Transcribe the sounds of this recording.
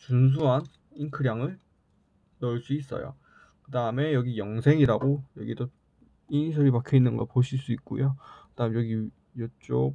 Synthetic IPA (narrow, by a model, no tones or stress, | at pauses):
t͡ɕuns̬ʰuɦan | inkʰɯɾjaŋɯɭ | nʌɭs͈uis͈ʌ̰jo̰ | kɯdaɯme̞jʌɡijʌŋsʰe̞ŋiɾaɡojʌɡidʌ | inisʰʌɾipakʰjoinːɯnɡʌ̰poɕʰiɭs͈uik̚k͈o̰jokɯd̥aɯmejʌɡi | jʌt͡ɕ͈o